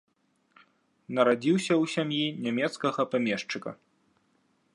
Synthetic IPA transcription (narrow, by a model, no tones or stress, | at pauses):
nɐɾad͡zʲiwsʲɐwsʲamjinʲamʲɛt̪skɐɣɐpamʲɛʂt͡ʂɨkɐ̰